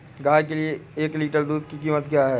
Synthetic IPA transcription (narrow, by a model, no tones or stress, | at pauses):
ɡaːjkelieeːkliːʈəɾd̪uːd̪kikiːmət̪kjaːɦɛː